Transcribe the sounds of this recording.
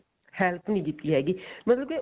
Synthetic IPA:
hɛlpʰnĩːkit̪ːiːɦɛːɡiːmət̪ləbke

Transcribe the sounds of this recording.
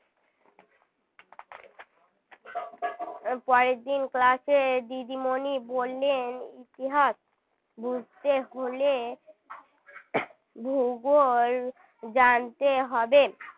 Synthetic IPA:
pɔɾed̪inklaʃed̪id̪imonibolːenit̪iɦaʃ | bud͡ʑʱt̪eɦole | bʱuɡoɾ | d͡ʑant̪eɦɔbe

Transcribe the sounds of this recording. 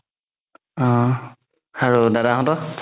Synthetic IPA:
ɔ̃ | aɹudadaɦɔ̃tɔ

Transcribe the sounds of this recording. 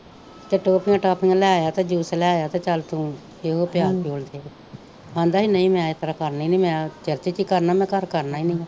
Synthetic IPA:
t̪eːʈoːpɪŋɡʈaːpɪŋɡlɛaːjaːt̪eːd͡ʒuːslɛaːjaːt̪eːt͡ʃəlt̪ũː | eːɦoːpɪjaːɾpjoːld̪eː | ãːnd̪aːɦiːnəĩːmɛ̃ːet̪əɾakəɾniːnĩːmɛ̃ːt͡ʃəɾt͡ʃeːt͡ʃiːkəɾnaːmɛ̃ːkəɾkəɾnaːiːnə̃ː

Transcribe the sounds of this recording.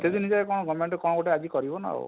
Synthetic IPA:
sed̪ʱinid͡ʒaekɔɽ̃ɔɡɔmeɳʈɔkɔɽ̃ɔɡoʈead͡ʒikɔɾibɔna̰o̰

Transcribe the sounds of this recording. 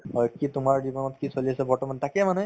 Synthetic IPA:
kitʊmaɹd͡ʑibɔnɔtkisoliasɛbɔɹtɔmantakɛmanɛ

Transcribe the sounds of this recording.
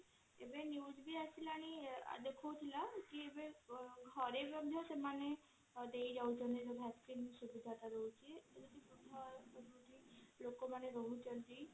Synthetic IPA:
ebeniud͡ʒbiasʰilaɽ̃ḭd̪ekʰowt̪ʰilakiebeɡʱɔɾebjɔd̪ʱjɔsemane | d̪ejd͡ʒawt͡ʃʰɔned͡ʒɔbʱɛskinsubid̪ʱat̪aɾɔwt͡ʃʰied͡ʒɔd̪ipɾud̪ʱapɔbuʈ̪ilokɔmaneɾɔɦut͡ʃɔld̪i

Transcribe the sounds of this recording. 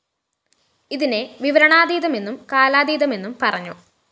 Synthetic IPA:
iðine̞ʋiʋɐɾɐɳaːd̪iːðɐme̞nːumkaːlaːd̪iːðɐme̞nːumpɐrɐɲːu

